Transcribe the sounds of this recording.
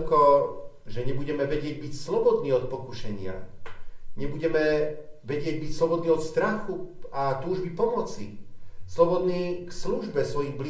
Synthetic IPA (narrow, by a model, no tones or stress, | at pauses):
ukɔ | ʒɛɲɛbuɟɛmɛʋɛɟɪɛɟ̚bicslɔbɔd̪niːɔt̪̚pɔkuʃɛɲɪa̰ | ɲɛbuɟɛmɛʋɛɟɪɛɟ̚bicslɔbɔd̪niːɔt̪st̪ɾaxuat̪uːʒbipɔmɔt͡sḭslɔbɔd̪niːksluʒbɛsʋɔjiɣbli